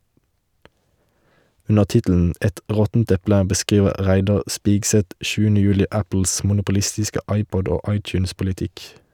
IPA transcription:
ˈʉnə ˈtɪtl̩n̩ ˈɛt ˈʁɔtn̩t ˈɛplə bəˈskiːʋə ˈʁæɪdɑʁ ˈspɪɡˌsɛt ˈʃʉːənə ˈjʉːlɪ ˈæpl̩s mʊnʊpʊˈlɪstɪskə ˈɑɪˌpɔd ˈoː ˈɑɪˌtjʉːnspʊlɪˌtɪk

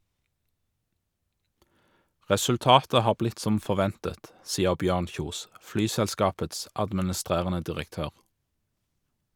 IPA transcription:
ʁɛsʉlˈtɑːtə ˈhɑːʁ ˈblɪt ˈsɔm fɔʁˈʋɛntət ˈsiːəʁ ˈbjøːʁn ˈçuːs ˈflyːsɛlˌskɑːpəts ɑdmənəˈstʁeːʁənə dɪʁəkˈtøːʁ

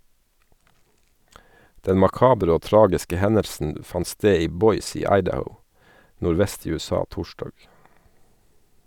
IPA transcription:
ˈdɛn mɑˈkɑːbɾ ˈoː ˈtɾɑːɡɪskə ˈhɛnəɾsn̩ ˈfɑn ˈsteː ˈiː ˈbɔʏs ˈiː ˈɑɪdəhəʊ nʊɾˈʋɛst ˈiː ˌʉːɛˈsɑː ˈtuːʃdɑːɡ

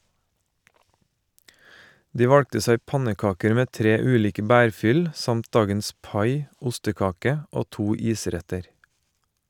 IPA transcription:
ˈdiː ˈʋɑɽktə ˈsæɪ ˈpɑnəˌkɑːkəɾ ˈmeː ˈtɾeː ˈʉːˌliːkə ˈbæːɾˌfʏl ə ˈsɑmt ˈdɑːɡəns ˈpɑɪ ˈʊstəˌkɑːkə ˈoː ˈtuː ˈiːˌsɾɛtəɾ

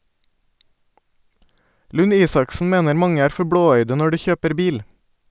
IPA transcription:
lʉˈniːsɑksn̩ ˈmeːnəɾ ˈmɑŋə ˈæːɾ ˈfɔɾ ˈbɽoːˌœʏdə ˈnɔ ˈɖiː ˈçøːpəɾ ˈbiːl

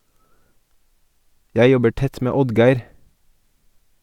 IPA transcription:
ˈjæɪ ˈjɔbə ˈʈɛt ˈmeː ˈɔdɡæɪɾ

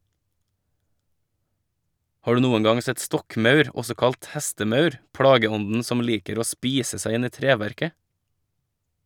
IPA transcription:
ˈhɑː ˈɖʉː ˈnuːən ˈɡɑŋ ˈsɛt ˈstɔkˌmɑʉɾ ˈɔsɔ ˈkɑlt ˈhɛstəˌmɑʉɾ ˈpɽɑːɡəˌɔndn̩ ˈsɔm ˈliːkəɾ ˈoː ˈspiːsə ˈsæɪ ˈɪn ˈiː ˈtɾeːˌʋæɾkə

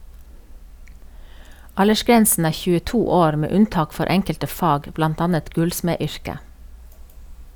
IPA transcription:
ˈɑləʃˌɡɾɛnsn̩ ˈæː çʉːəˈtuː ˈoːɾ ˈmeː ˈʉnˌtɑːk ˈfɔɾ ˈʔɛŋkəltə ˈfɑːɡ ˈblɑnt ˈɑːnət ˈɡʉlsmeːˌʏɹkə

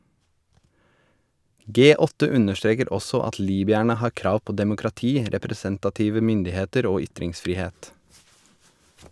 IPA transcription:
ˈɡeː ˈɔtə ˈʉnəʃˌtɾeːkəɾ ˈɔsɔ ˈɑt ˈliːbʏæɳə ˈhɑːɾ ˈkɾɑːʋ ˈpoː dɛmʊkɾɑˈtiː ɾɛpɾɛˈsɛntɑˌtiːʋə ˈmʏndɪˌheːtəɾ ˈoː ˈʏtɾɪŋsfɾiːˌheːt

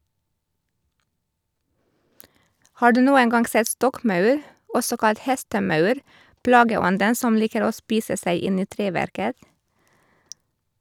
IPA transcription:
ˈhɑː ˈɖʉː ˈnuːəŋ ˈɡɑŋɡ ˈsɛt ˈstɔkˌmɑʉɾ ˈɔsɔ ˈkɑlt ˈhɛstəˌmɑʉɾ ˈplɑːɡəˌɔndən ˈsɔm ˈliːkəɾ ˈoː ˈspiːsə ˈsæɪ ˈɪn ˈiː ˈtɾeːˌʋæɾkət

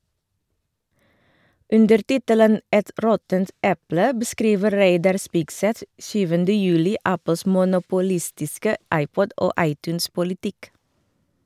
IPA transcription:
ˈʉndəɾ ˈtɪtələn ˈʔɛt ˈɾɔtənt ˈʔɛplə bəˈskɾiːʋə ˈɾeɪdɑɾ ˈspɪɡˌsɛθ ˈʃyːʋəndə ˈjʉːlɪ ˈʔæpəls mʊnʊpʊˈlɪstɪskə ˈʔɑɪˌpɔd ˈʔoː ˈʔɑɪˌtʉːnspʊlɪˌtɪk

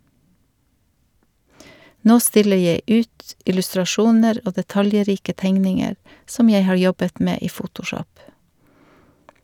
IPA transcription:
ˈnoː ˈstɪlə ˈjeɪ ˈʉːt ɪlʉstɾɑˈʃuːnəɾ ˈoː dɛˈtɑljˌɾiːkə ˈtɛŋnɪŋəɾ ˈsɔm ˈjeɪ ˈhɑːɹ ˈjɔbət ˈmeː ˈiː ˈfʊtʊˌʃɔp

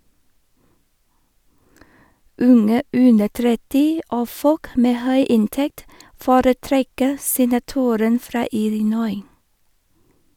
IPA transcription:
ˈʉŋə ˈʉndə ˈtɾɛtɪ ˈoː ˈfɔk ˈmeː ˈhœʏ ˈɪnˌtɛkt ˈfoːɾəˌtɾɛkə sɛnɑˈtuːɾən ˈfɾɑː ˈɪlɪˌnɔʏ

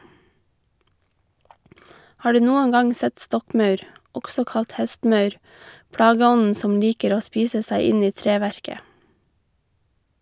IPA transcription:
ˈhɑː ˈɖʉː ˈnuːəŋ ˈɡɑŋ ˈsɛt ˈstɔkˌmɑʉɾ ˈɔksɔ ˈkɑlt ˈhɛstˌmɑʉɾ ˈpɽɑːɡəˌɔnn̩ ˈsɔm ˈliːkəɾ ˈoː ˈspiːsə ˈsæɪ ˈɪn ˈiː ˈtɾeːʋæɹkə

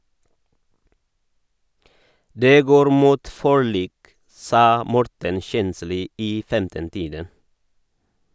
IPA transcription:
ˈdeː ˈɡoːɾ ˈmuːt fɔˈɭiːk ˈsɑː ˈmɔɾtən ˈçɛnsliː ˈiː ˈfɛmtən ˈtiːdən

